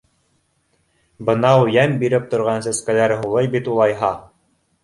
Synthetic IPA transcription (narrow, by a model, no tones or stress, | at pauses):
bɤ̆nɑwjæmbiɾɘp̚t̪ŏɾʁɑnsæskælæɾɦulˠɤjbit̪ulˠɑjɦɑ